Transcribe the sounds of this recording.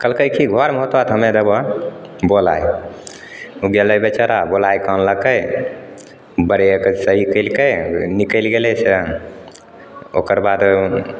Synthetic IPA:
kəlkəjkiɡʱɔɾməɦot̪at̪ɦəmed̪ebɔbola̰j | uɡeləjbet͡ʃəɾabolajkanləkəj | bəɾekəsəɦikəlkəjnikəɪlɡelese | o̰kəɾbad̪

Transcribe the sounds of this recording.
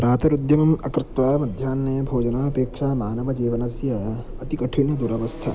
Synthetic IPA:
ɾaːt̪ɐɾud̪jɐmɐmɐkɾɪkɾaːmɐd̪ʱjaːnːebʱoːd͡ʒɐnaːɐpeːkʂaːmaːnɐʋɐd͡ʒiːʋɐnɐsjaja | ɐt̪ikɐʈʰinjɐd̪uɾɐʋɐst̪ʰa

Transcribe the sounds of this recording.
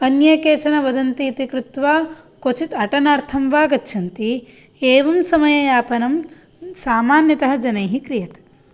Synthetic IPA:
ɐnjɐkeːt͡ʃɐnɐʋɐd̪ɐnt̪iːt̪ikɾut̪ʋaː | kot͡ʃit̪ɐʈɐnaːɾt̪ʰɐmʋaːɡɐtːʃʰɐnt̪i | eːʋɐmsɐmɐjɐjaːpɐnɐm | saːmaːnjɐt̪ɐɦɐd͡ʒɐnɐjɦikɾijɐt̪

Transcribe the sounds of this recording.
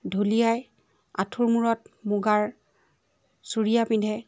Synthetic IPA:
dʱulijaj | a̰tʰuɹmuɹɔtmuɡaɹ | suɹijapindʱɛ

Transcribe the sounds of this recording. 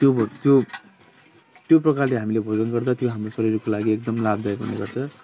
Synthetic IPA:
t̪jot̪jo | t̪joprʌkarleɦamilebʱod͡zʌnɡʌrd̪at̪joɦamrosʌɾiɾokolaɡiek̚d̪ʌmlabd̪ajkɦṵnḛɡʌrt͡sʰʌ

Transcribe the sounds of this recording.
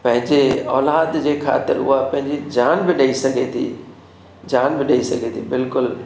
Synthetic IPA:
pɐ̃ɦɪ̃ɲd͡ʒeɔ̰ːlaːd̪d͡ʒekʰa̰ːt̪ɪ̰ɾʊ̰ɦapɐ̃ɦɪ̃ɲd͡ʒid͡ʒaːnbɪɗeisɐɡet̪ʰḭ | d͡ʒaːnbɪɗeisɐɡet̪ʰibɪlkʊl

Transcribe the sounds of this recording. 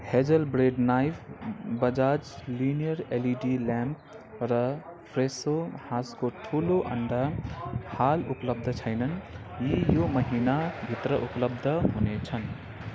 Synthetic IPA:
hed͡ʒəlbɾeɖnajpʰbʌd͡ʒad͡ʒlinijʌɾeliɖilamp̚ | ɾʌpʰɾesohãskoʈʰuloʔʌ̰ɳɖahalupləb̚d̪ʱʌt͡sʰʌjnʌnjijomʌɦinabʱit̪ɾʌʔupləb̚d̪ʱʌɦunet͡sʰʌn

